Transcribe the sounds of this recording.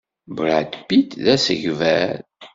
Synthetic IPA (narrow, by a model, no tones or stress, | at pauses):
bɾad̪pːit̪ðæsəʝvæɾ